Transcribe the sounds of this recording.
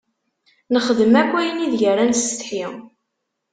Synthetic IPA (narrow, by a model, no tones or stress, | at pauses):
nəχəðəmækʷːæjəniðʝərːænst̪ħi